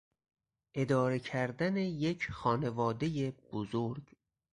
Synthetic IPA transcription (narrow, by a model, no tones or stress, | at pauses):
ʔe̞d̪ɒːɾe̞cʰæɾd̪æne̞je̞cʰxɒːne̞vɒːd̪e̞jeb̥ozoɾɡ